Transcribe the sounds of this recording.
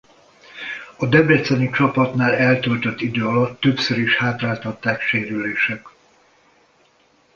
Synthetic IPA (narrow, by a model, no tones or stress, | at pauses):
ɒd̪ɛbɛt̪sɛnit͡ʃɒpɒt̪naːlɛlt̪ølt̪ø̞t̪ːid̪øːɒlɒt̪ːø̞psøɾiʃhaːt̪raːlt̪ɒt̪ːaːkʃeːɾyleːʃɛk